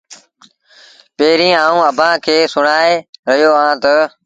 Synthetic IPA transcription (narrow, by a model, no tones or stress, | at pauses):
peːɾĩːaːũːəbʱãːkʰeːsʊɳaːeɾəɦijoːãːt̪ə